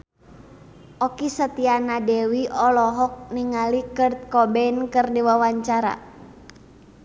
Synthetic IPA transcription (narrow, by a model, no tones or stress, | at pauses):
ʔɔkisət̪ianadɛwiɔlɔɦɔk̚niŋalikərt̪̚kɔbɛnkɨrdiwawaɲt͡ʃaɾa̰